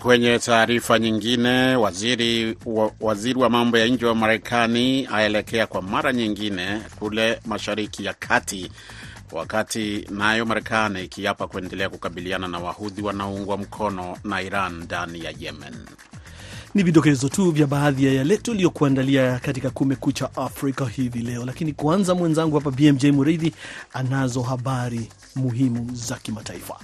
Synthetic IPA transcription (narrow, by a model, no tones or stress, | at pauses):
kwɛɲɛtaːɾifaɲiŋɡinɛwaziɾi | waziɾiwamambɔjaɲ̩d͡ʒɛwamaɾɛkʰaniaɛlɛkɛakwamaɾaɲiŋɡinɛkulɛmaʃaɾikijakʰati | wa̰katinajɔmaɾɛkaniːkijapakuɛndɛlɛakukaɓiliananawahuðiwanauŋɡwam̩kʰɔnɔnaiɾandanija̰jɛmɛ̰n | niviɗɔkɛzɔtuvjaɓaːðijajalɛtualijɔkuandaliakat̬ikakumɛkut͡ʃaʔafɾikahivilɛɔlakinikwanzamwɛnzaŋɡuhap̬abiɛmd͡ʒɛjmuɾaiðianazɔɦaɓaɾi | muɦimuzakimataifa̰